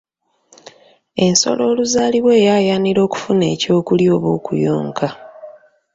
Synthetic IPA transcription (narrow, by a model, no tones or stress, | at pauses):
e̞nso̞̰lo̞ːluzaːliβwe̞ːjaːjaːniɾo̞ːku̥fune̞ːco̞ːkuljo̞ːβo̰ːkṵjo̰ːŋkʰa